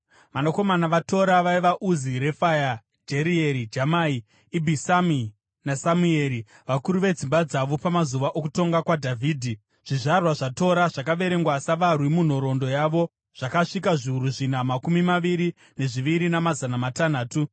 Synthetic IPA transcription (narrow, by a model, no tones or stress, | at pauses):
ʋanoko̞manaʋato̞ɾaʋaiʋaʔuziɾe̞faja | d͡ʒeɾieɾid͡ʒamai | ibʱisami | nasamueɾi | ʋakuɾuʋe̞d͡zimbad͡zaʋo̞pamazuʋaʔokuto̞ŋɡakwadʱavʱiːdʱi | ʐ̥iʐarwaʐato̞ɾaʐakaʋe̞ɾe̞ŋɡwasaʋarwimun̤oɾo̞ndo̞jaʋo̞ | ʐ̥akaʂikaʐiuɾuʐin̤amakumimaʋiɾi | ne̞ʐiʋiɾinamazanamatan̤aːtu